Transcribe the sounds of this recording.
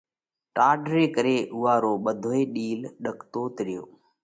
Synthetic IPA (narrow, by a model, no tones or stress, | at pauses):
ʈaːɖɾeːkəɾeːʔʊʋaːɾoːɓəd̪ʱoːeːɗiːlɗəkʰt̪oːt̪ɪɾɪjo̰ː